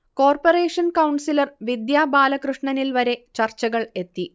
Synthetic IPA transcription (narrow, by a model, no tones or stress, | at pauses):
ko̞ːrpore̞ːʂɐnkɐwɳsilɐrʋid̪jaːbaːlɐkrɨʂɳɐnilʋɐɾe̞t͡ɕɐrt͡ɕːɐɣɐɭe̞t̪ːi